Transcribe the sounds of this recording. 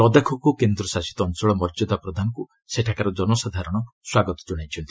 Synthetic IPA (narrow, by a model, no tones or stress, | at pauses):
ɾɔd̪akʰɔkukend̪ɾɔsasi̥t̪ɔːnsɔɭɔmɔɾd͡ʒɔd̪apɾɔd̪ʱanɔku | seʈʰakaɾɔd͡ʒɔnɔsad̪ʱaɾɔɽ̃ɔswaɡɔt̪ɔ̥d͡ʒɔɽ̃ajt͡ʃʰɔnt̪ʰi̥